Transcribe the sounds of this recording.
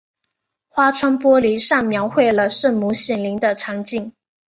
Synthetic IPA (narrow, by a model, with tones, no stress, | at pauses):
xwa˥ʈ͡ʂʰwa˥npwɔ˥li˧˥ʂɑ˥˩ŋmjɑ˧˥ʊxwe˥˩ɪlə˩ʂə˥˩nmu˧˥ɕjɛ˨˩nli˧˥ŋd̪ə˧ʈ͡ʂʰɑ˧˥ŋt͡ɕi˥˩ŋ